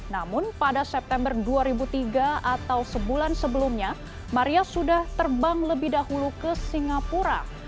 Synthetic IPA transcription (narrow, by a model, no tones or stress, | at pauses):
namʊnpadasɛp̚t̪ɛmbərduaɾibut̪iɡaat̪awsəbulansəbəlumɲa | maɾiasudaht̪ərbaŋləbɪhdahulukəsiŋapuɾa̰